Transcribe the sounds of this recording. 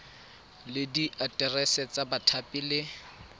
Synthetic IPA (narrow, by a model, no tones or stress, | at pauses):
lɪdiʔatʼɛrɛsɛt͡sabatʰapʼilɪ